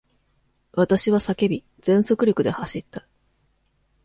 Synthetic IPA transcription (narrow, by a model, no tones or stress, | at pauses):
βat̪aɕiβasake̞bʲi | z̥ẽ̞ɰ̃so̞kɯ̟ɾʲo̞kɯ̟d̪e̞haɕit̪ːḁ